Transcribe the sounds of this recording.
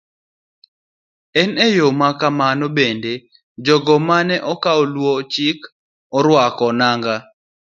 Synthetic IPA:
ɛnɛjomakamanɔbende | d͡ʒɔɡɔmanɛʔɔkaɔlwɔt͡ʃik | ɔɾwakɔnaŋɡa

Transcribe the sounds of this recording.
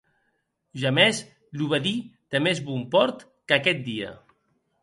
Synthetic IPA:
ʒamɛz | luβaðit̪emezβumpɔɾt̪ | kəkɛt̪̚d̪iə̰

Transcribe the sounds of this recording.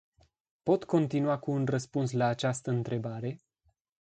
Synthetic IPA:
po̞t̪ko̞nt̪inuakuːnrəspuns̬laːt͡ʃast̪əɨnt̪ɾe̞baɾe̞

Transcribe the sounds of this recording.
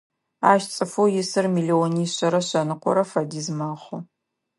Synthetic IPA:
aːʃt͡sʼɨfuwjɪsɨrmiːlioniːɕɐɾɐɕɐnɨqʷɔ̰ɾɐfɐdiːzmaːχʷʊ

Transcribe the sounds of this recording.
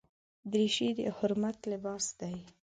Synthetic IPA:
d̪ɾiʃid̪ə̰hʊɾmat̪lɪbɑsd̪aj

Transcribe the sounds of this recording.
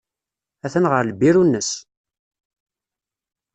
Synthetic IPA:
æθənʁəɾləbiɾunːəs

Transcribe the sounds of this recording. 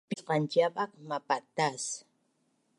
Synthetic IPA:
pqɑnt͡ʃapakmapat̪as

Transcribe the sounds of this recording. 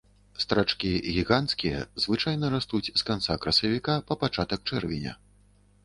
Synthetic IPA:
st̪ɾat͡ʂkʲiɣʲiɣantskʲijɐ̰zvɨt͡ʂajnɐɾast̪ut͡sʲskant̪sakɾɐsɐvʲikapɐpat͡ʂat̪ɐk̚t͡ʂɛrvʲinʲɐ̰

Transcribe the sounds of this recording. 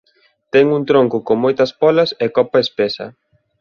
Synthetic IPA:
t̪ɛŋuŋt̪ɾoŋkʊkoŋmojt̪ɐspɔlɐsɛkɔpɐespɛsɐ̰

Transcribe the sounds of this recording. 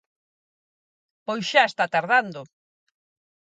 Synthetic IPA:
pojsʃaest̪at̪aɾðand̪ʊ

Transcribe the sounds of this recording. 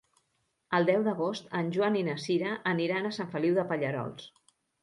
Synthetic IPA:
əlˠd̪ɛwd̪əɣ̞ost̪ənʲʒwaninəsiɾəʔːniɾanəsaɱfəliwðəpəʎəɾɔ̰lˠs

